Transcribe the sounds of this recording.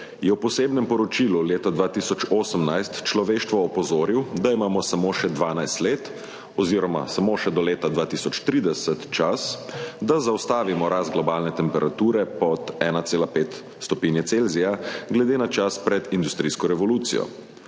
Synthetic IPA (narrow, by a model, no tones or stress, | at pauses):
jɛwpɔseːbnɛmpɔɾɔt͡ʃiːluleːt̪ad̪ʋaːt̪isɔt͡ʃoːsəmnajst̪t͡ʃlɔʋeːʃt̪ʋɔːpɔzoːɾiwd̪aimaːmɔsamoʃɛd̪ʋaːnajst̪leːt̪ | ɔziːɾɔma̰samoʃɛd̪ɔleːt̪ad̪ʋaːt̪isɔt͡ʃt̪ɾiːd̪ɛsət̪t͡ʃasd̪azawst̪aːʋimɔɾazɡlɔbaːlnɛt̪ɛmpɛɾʔat̪uːɾɛpɔt̪ɛːnat̪seːlapeːt̪ | st̪ɔpiːnjɛtselzijaɡlɛd̪eːnat͡ʃaspɾɛd̪ind̪ust̪ɾiːskɔɾɛʋɔluːt̪sḭjɔ̰